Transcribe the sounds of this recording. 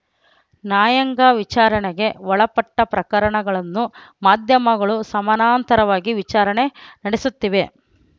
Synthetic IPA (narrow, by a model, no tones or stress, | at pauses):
naːjɐŋɡaʋit͡ʃaːɾɐɳɛɡe̞ʋɔɭɐpɐʈːɐpɾɐkɐɾɐɳɐɡɐɭɐnːumaːd̪ʱjɐmɐɡɐɭusɐmɐnaːnt̪ɐɾɐʋaːɡiʋit͡ʃaːɾɐɳe̞nɐɽesut̪ːiʋe̞